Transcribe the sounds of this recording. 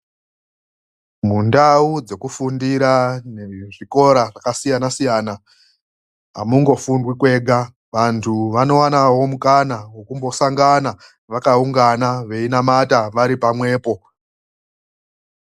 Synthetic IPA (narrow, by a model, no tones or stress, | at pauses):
mundaud͡ze̞kufundiɾaneʐiko̞ɾaʐakasijanasijaːna | ɦa̰muŋɡo̞fundwikwe̞ːɡʱa | ʋantʰuʋano̞wanawo̞mukanawo̞kumbo̞saŋɡana | ʋakauŋɡanaʋe̞inamataʋaɾipamwe̞ːpo̞